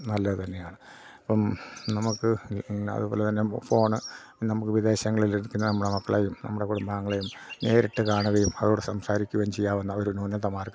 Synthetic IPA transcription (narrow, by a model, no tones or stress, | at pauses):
nɐlːɐɨt̪ɐnːe̞jaːɳɨ | ɐpːɐmnɐmukːɨɐ̰ðɨbo̞ːlet̪ɐnːefo̞ːɳɨ | nɐmukːɨʋid̪e̞ːɕɐŋːɐɭilikʲːunːɐnɐmːuɽemɐkːɐɭeːjumnɐ̰mːuɽe̞kuɽumbaːŋːɐɭejumne̞ːɾiʈːɨkaːɳuɣɐjumɐðoːɽesɐmsaːɾikʲːuʋɐjnt͡ɕejːaːʋɐnːɐoɾunoːnːɐt̪ɐmaːrkː